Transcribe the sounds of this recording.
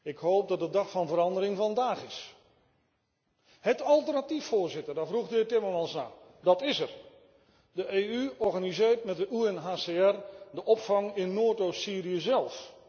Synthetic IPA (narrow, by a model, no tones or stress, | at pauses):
ɪkhoːp̚dɔt̚dədɑxfɔnvəɾɑndəɾɪŋfɔndaːxɪs | hətɔlˠtərnatifoːrzɪtərdafruɣdɪːtɪmərmɑnsna̰ː | dɔtɪsər | dəʔeːyɔrɣanizɪːərtmɛt̚dəʔuɛnɦaːseɛrdəʔɔpfɑŋɪnːoːtoːsiːriəzɛlˠf